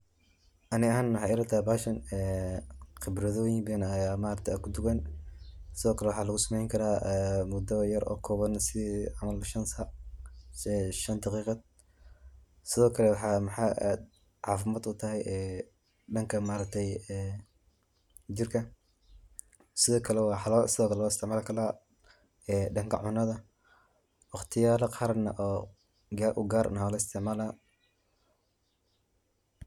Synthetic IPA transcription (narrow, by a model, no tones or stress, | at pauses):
ʔɐnɪɐɦaːnwʊħaɪɾɐt̪ʰabaːʃɐnɛːqɪbɾɐðɔːjɪŋbɛːnɐjaːmaːɾɐk̚t̪ʰːkʰʊd̪ʊɣɛn | sɪðɔːkʰɐlɛwɑħɑːlɐɣʊsɐmɛjŋkʰɐɾaːɛmʊd̪ɐjɐɾʔɔ̰ːkʰɔːβɐnsɪʕamɐlʃɐnsɐ | ɛʃɐnd̪ɑqiːqɑd̪ | sɪðɔːkʰɐlɛwɑħɑːmɐħɑ̰ːʔd̪ | ʕɑ̰ːfɪmaːd̪ʊt̪ʰɐɦɛjɛː | ɖɐŋkʰɐmaːɾɐk̚t̪ʰɛjɛ | d͡ʒɪrkʰɐ | sɪðɔːkʰɐlɛwɑːħɑlɔlsɪðɔːkʰɐlɛwɑːɪst̪ʰɪʕmaːlkʰɐlaː | ɛːɖɐŋkʰɐ̰ʕʊnɐðɐ | wɑχt̪ʰɪjaːlɐqʰɑːɾɐnɐʔɔː | ɡaːɾʔʊɡaːɾnɐhɔːlɐɪst̪ʰɪʕmaːla